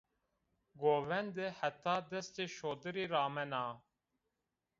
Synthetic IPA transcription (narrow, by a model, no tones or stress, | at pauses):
ɡoːʋɛnd̪ehɐt̪ːaːd̪ɐst̪eʃoːd̪əɾiːɾaːmɛnaː